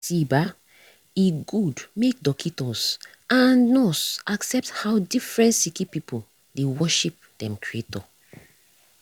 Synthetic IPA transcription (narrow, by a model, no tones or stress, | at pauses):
siba | iɡudmek̚dɔkʰitɔs | ãnːɔsaksɛp̚thawdifɹɛ̃ntsikipipu | dewɔʃip̚d̥ɛ̃mkɹietɔ